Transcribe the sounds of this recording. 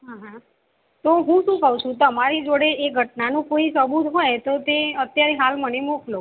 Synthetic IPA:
ɦaɦã | t̪oɦũʃũkəɦũt͡ʃʰũt̪əmaɾid͡ʒoɽeʔeɡʱəʈnanũkoisəbut̪ɦojt̪ot̪eət̪jaɾeɦalmənemoklo

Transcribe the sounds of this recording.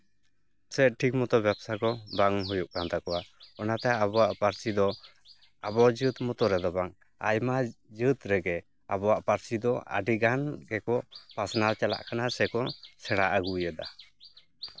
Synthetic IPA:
sɛʈʰik̚mut̪ɔbjɛbsakɔbaŋɦujuʔ̚kant̪akɔwaɔnat̪ɛabɔwaʔpaɾsid̪ɔ | abɔd͡ʒut̪mut̪ɔɾɛd̪ɔbaŋ | a̰jmad͡ʒɨt̪ɾɛɡɛ | abɔaʔpaɾsid̪ɔa̰ɖiɡankɛkɔpasnalt͡ʃala̰ʔkʰanasɛkɔsɛɽ̃aʔaɡujad̪a

